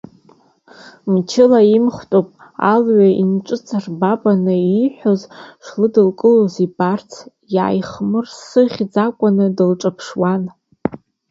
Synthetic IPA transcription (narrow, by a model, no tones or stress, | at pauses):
mt͡ʃʰɪlaimχʷtʼopʼ | a̰lʕainʈ͡ʂʷʼɨt͡sʰʼarbabʼanɨiħʷᶣo̞zʂlɨdɨlkʼɨlozibart͡sʰ | jaːjχmɨrsɨχʲd͡zakʷʼʊnɨdɨlʈ͡ʂʼapʰʂwan